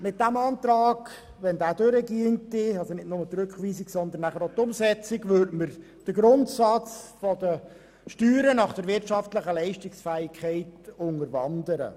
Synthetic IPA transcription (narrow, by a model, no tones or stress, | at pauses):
mɪt̚d̥æmɑːnt̪ɾɑːɡ | ʋɛnd̪æːdøɾəɡiəntɪɑlzonɪtnʊmət̪ɾʉkχʋiːsɪksɔnd̪ənːæχəɾotʊmsɛt͡sɪɡʋøɾdməɾ | d̥əɡɾʊntsɑt͡sfɔdə | ʃtyːɾənɑχd̥əɾʋɪrtʃɑftləχəlɛɪʃtɪksfæːɪkʰχɛɪtʊŋəɾʋɑnd̪əɾə̰